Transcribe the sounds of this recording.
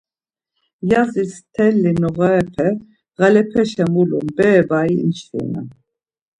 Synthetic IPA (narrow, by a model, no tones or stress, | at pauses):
jazist̪ʰɛlːinɔʁɛɛpʰɛ | ʁalɛpʰɛʃɛmulumbɛːbaiint͡ʃṵna̰